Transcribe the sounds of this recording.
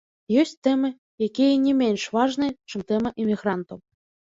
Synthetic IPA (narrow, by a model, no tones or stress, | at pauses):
jɔsʲtʲt̪ɛmɨ | jakʲijɐnʲɛmʲenʲʂvaʐnɨjt͡ʂɨmt̪ɛmɐʔɛmʲiɣɾant̪ɐw